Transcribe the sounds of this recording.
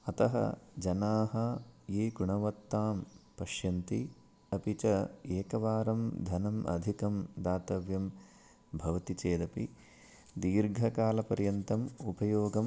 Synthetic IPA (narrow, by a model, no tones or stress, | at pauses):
ɐt̪ɐɦɐ̰d͡ʒɐnaːɦɐeːɡuɳɐʋɐt̪ːaːmpɐʃjɐnt̪i | ɐpit͡ʃɐeːkɐʋaːɾɐmd̪ʱɐnɐmʔɐ̰d̪ʱikɐmd̪aːt̪ɐʋjɐm | bʱɐʋɐt̪it͡ʃeːd̪ɐpḭ | d̪iːɾɡʱɐkaːlɐpɐɾjɐnt̪ɐmupɐjoːɡɐm